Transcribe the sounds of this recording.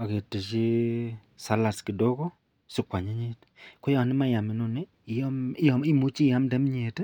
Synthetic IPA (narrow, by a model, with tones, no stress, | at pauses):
a˨ke˨te˨t͡ʃi˦ | sa˨˦la˨ski˨do˦ko˦ | sɪ˦kwa˨ɲe˦ɲe˦t | ko˦ja˨nɪ˦ma˦ja˨mɪ˨no˨nɪ˦˨˦ | m˦jɔ˨i˦mu˨˦t͡ʃi˦ja˦mdɛ˦m˦ɲe˨t